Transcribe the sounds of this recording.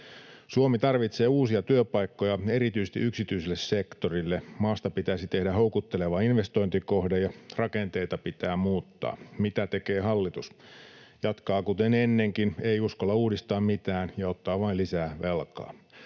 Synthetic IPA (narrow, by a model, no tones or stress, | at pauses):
suomit̪ɑrʋit̪seːuːsiɑt̪yøpɑikːojɑeɾit̪yisest̪ḭʔyksit̪yiselːessekt̪orilːemɑːst̪ɑpit̪æsit̪ehdæɦoukut̪ːeleʋɑinʋest̪o̞int̪ikohdejɑrɑkent̪eit̪ɑpit̪æːmuːt̪ːɑ̰ːmit̪æt̪ekeːhɑlːit̪us | jɑt̪kɑːkut̪enenːeŋkineiuskolːɑuːdist̪ɑːmmit̪æːnjɑot̪ːɑːʋɑilisæːʋelkɑ̰ː